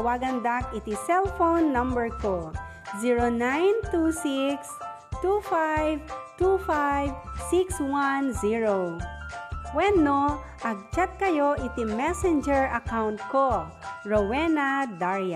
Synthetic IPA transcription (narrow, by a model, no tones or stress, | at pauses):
waːɡɐnd̪ak̚it̪isɛlfonːɐ̃mbɛɹko | ziɹonajnt̪usiks | t̪ufajvt̪ufajvsikswanziɹo | wɛnːo | ʔɐɡ̚t͡ʃat̪̚kɐjoʔɪt̪imɛsɛnd͡ʒɛɹɐkawnt̪̚ko | ɹowɛnad̪aɹja